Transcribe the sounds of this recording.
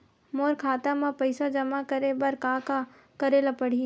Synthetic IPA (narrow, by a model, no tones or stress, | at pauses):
moːɾkʰaːt̪amãpɐɪsad͡ʒɐmakɐɾebɐɾkaːka | kɐɾelapɐɽ̤i